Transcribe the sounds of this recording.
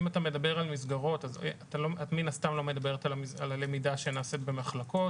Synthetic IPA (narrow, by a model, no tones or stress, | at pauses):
imatame̞dabe̞ʁalmisɡaʁo̞taz̰ataloatminast̪amlo̞me̞dabe̞ʁetalamialale̞midaʃe̞naset̪be̞maχlakʰo̞t